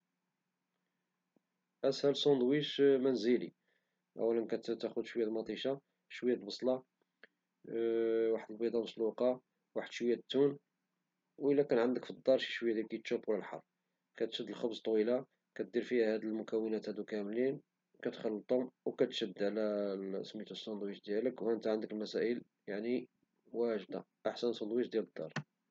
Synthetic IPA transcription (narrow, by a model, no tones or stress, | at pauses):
ʔæshælsˤond̪wiʃmænzəli | ʔæ̰wːælənkæt̪t̪æxʊd̪ʃwəjæt̪mɑt̪ˤiʃɑ | ʃwjːæt̪lbɑsˤlɑ | waħəd̪əlbid̪ˤɑməsluqɑ | waħəd̪̥ʃwəjæt̪ːun | wəlːækænʕənd̪əkfid̪ˤːɑɾˤʃi̥ʃwjːæd̪ikit̪ʃubwlælħɑ̰rˤː | kæt̪ʃəd̪ːəlxɑbzt̪ˤːwila | kæt̪̚d̪iɾfihæhæd̪əlmʊkæwːənæt̪hæd̪ukæmlin | kæt̪xəlːət̪ˤʊmwkæt̪ʃəd̪ːʕlæə̰smit̪usˤːɑnd̪ˤwit̪d̪jæləkwhæənt̪æʕənd̪əkəlmæsæʔəl | jaʕni | wæʒd̪a | ʔaħsænsɑnd̪ˤwitd̪jæləd̪ːɑ̰ɾˤ